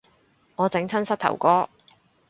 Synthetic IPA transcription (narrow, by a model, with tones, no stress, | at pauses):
ŋɔː˨˧t͡sɪ˨˥ŋt͡sʰɐ˥nsɐ˥t̪ʰɐ̰˨˩wkɔː˥